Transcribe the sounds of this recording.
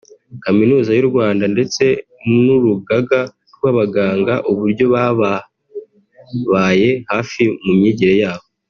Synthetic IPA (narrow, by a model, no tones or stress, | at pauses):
kaminuːzajuɾɡwaːndande̞t͡se̞ | nuɾuɡaɡa | ɾɡwaːβaɡaːŋɡaʔuβuɾɟo̞βaβa | βaje̞haːfimumɲiːɟiɾejaːβo̞